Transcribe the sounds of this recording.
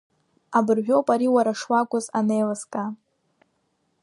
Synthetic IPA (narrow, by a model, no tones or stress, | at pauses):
abɨrʒʷᶣowpʼaɾiwaɾaʂwakʷʼʊzanejlɨskʼa